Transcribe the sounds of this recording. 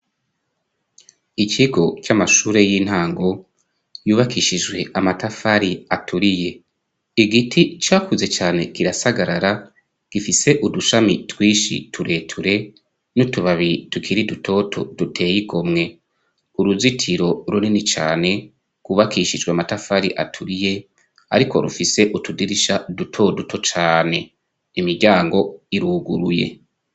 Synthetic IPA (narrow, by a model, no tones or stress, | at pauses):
iciɡo̞camaʃuːɾe̞jiːn̥haːŋɡo̞ | juːβakʰiʃid͡ʒwe̞ʔamatafaɾiatʰuɾije̞ | iɡitʰit͡ʃaːkʰuze̞t͡ʃaːne̞kiɾasaɡaɾaɾa | ɡ̥ifise̞ʔuduʃamitwiːʃḭtʰuɾe̞ːtʰuɾe̞ | nutuβaβitukʰiɾidutʰo̞tʰo̰d̥utʰe̞ːjiɡo̞mŋe̞ | uɾuzitʰiɾo̞ɾuninit͡ʃa̰ːne̞ | kuβakʰiːʃid͡ʒɡweamatafaɾiʔa̰tʰuɾije̞ | a̰ɾiko̞̰ɾufise̞ʔutudiɾiʃadutʰo̞dutʰo̞t͡ʃaːne̞ | imiɾɟaːŋɡo̞iɾuɡuɾuje̞̰